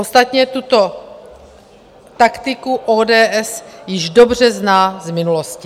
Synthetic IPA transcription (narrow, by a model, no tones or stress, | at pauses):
ost̪at̪ɲɛt̪ut̪o | t̪akt̪ɪkuʔoːdɛːʔɛsjɪʒdobr̝ɛznaːzmɪnuloscɪ